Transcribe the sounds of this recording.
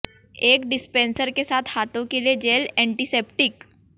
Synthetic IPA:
ekɖispensəɾkesat̪ʰhat̪õkeled͡ʑelɛɳʈisepʈik

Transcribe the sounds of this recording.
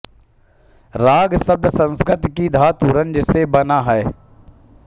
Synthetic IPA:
ɾaːɡsəb̚d̪ʱəsə̃nskɾɪt̪kid̪ʱaːt̪uɾə̃nd͡ʒəsebɐnaɦɛː

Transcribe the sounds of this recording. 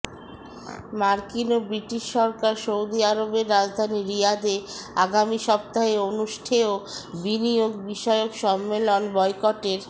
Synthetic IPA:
maɾkinobɾiʈiʃːɔɾkaɾʃowd̪iaɾobeɾːad͡ʑd̪ʱaniɾijad̪eaɡamiʃɔp̚t̪aɦeonuʃʈʰeobinijoɡbiʃɔeokʃɔmːelonbɔjkɔʈeɾ

